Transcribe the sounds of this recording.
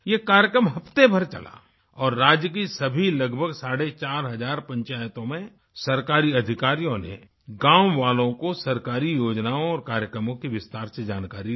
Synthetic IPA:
jekaːɾjəkɾəmɦɐpt̪ebʱɐɾt͡ʃɐ̰lʔa̰ | ɔːɾːaːd͡ʒjək̬isɐbʱilɐɡbʱəɡsaːɽet͡ʃaːɾɦɐzaːɾpɐ̃ɲt͡ʃaːjt̪õmẽ | sɐɾkaːɾiɐd̪ʱɪkaːɾijõnḛ | ɡãːmʋaːlõkosɐɾkaːɾijoːd͡ʒnaːõɔːɾkaːɾjəkɾəmõkiʋɪst̪aːɾsed͡ʒaːnkaːɾi

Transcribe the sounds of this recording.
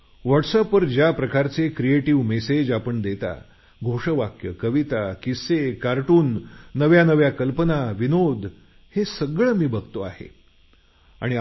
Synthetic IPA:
ʋəʈsəpəɾd͡ʑjapɾəkaɾt͡sekɾieʈiʋmesed͡ʑapəɳd̪et̪a̰ | ɡʱoʂəʋakjəkəʋit̪akisekaɾʈuːnːəʋjanəʋjakəlpənaʋinod̪ʱ | hesəɡɭəmiːbəɡ̚ʱt̪oaɦḛ | a̰ɽ̃i

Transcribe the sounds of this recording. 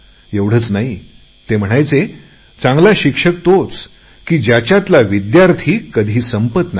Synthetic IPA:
eʋɽ̤əːt͡snaɦi | t̪em̤əɽ̃ajt͡se | t͡sãŋɡlaɕikʂək̚t̪ot͡s | kiːd͡ʑjat͡ɕat̪laʋid̪jaɾt̪ʰiːkəd̪ʱiːsəmpət̪na

